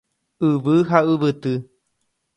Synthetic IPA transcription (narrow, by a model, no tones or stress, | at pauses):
ɨʋɨɦaɨβɨt̪ɨ